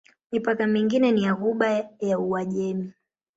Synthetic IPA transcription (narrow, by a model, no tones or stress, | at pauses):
mipakamiŋɡinɛnijaɣuɓajauwaʄɛmi